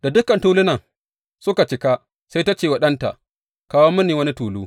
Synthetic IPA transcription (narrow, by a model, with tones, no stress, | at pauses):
da˨dʊ˦kɐ˨ntuː˦lʊ˦nɐ˨ŋ | sʊ˦ka˨t͡ʃɪ˦ka˦ | sa˦jta˦t͡ʃeː˨wa˨ɗɐ˦nta̰˨ʔ | kaː˨˦wo˦mːʊ˦niː˨wɐ˦ni˦tuː˨luː˦